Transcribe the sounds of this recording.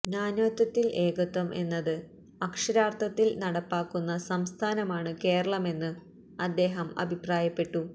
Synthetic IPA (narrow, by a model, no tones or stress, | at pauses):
naːnoːt̪ːɐt̪ːilʔe̞ːkɐt̪wɐmʔe̞nːɐðɨ | ɐkʂɐɾaːrt̪ʰɐt̪ːilnɐɽɐpːaːkːunːɐsɐmst̪ʰaːnɐmaːɳɨke̞ːɾɐɭɐme̞nːɨ | ɐd̪ːe̞ːɦɐmɐ̰bʱipraːjɐpːe̞ʈːu